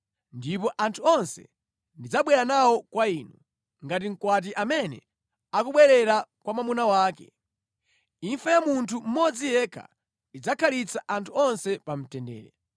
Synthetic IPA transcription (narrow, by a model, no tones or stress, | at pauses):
ndipɔʔantʰuɔnsɛ̰ | ndid͡zaɓwɛɾanawɔkwainu | ŋɡat̬iŋ̩kwat̬iʔamɛnɛ̰ | akuɓwɛɾɛɾakwamamunawaːkɛ̰ | iɱfajamuntʰum̩mɔd͡zijɛkʰa̰ | id͡zakʰalit͡sʰaʔantʰuɔnsɛpam̩tɛndɛ̰ːɾɛ